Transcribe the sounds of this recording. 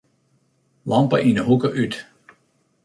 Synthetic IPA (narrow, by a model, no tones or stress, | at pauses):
lɑmpə̰ʔinəɦukəʔyt